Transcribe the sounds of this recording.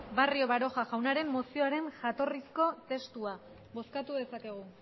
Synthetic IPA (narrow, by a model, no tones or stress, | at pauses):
bario̞βaɾo̞ʝaɣawnaɾe̞mːo̞sio̞aɾe̞nʝat̪o̞risko̞t̪e̞st̪ua | βo̞skat̪uðe̞sake̞ɣ̞u